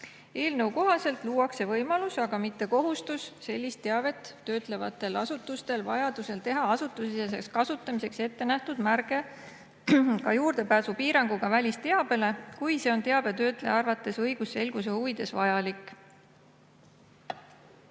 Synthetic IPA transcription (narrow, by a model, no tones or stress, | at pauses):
e̞ːlnɤwko̞ɦɑse̞lt̪ˑluːwɑkse̞vɤjmɑlusɑɡ̥ɑmit̪ːe̞ko̞ɦust̪usːe̞lʲːist̪ːe̞ɑve̞t̪ːø̞ːt̪ˑle̞vɑ̰t̪ːˑe̞lɑsut̪ːˑust̪e̞lvɑjɑd̪̥use̞lt̪e̞ɦɑɑsut̪ːˑusises̬e̞kskɑsut̪ˑːɑmise̞kse̞t̪ːe̞næht̪ud̪̥mærɡ̥e̞ | kɑjuːrd̪e̞pæːsupiːɾɑŋɡ̥uɡ̥ɑvælʲist̪e̞ɑb̥e̞le̞kujse̞o̞nt̪e̞ɑb̥e̞t̪ø̞ːt̪ˑle̞̰ɑrvɑt̪ːˑe̞sɤjɡ̥usːe̞lɡ̥us̬e̞huvid̪̥e̞svɑjɑlikːˑ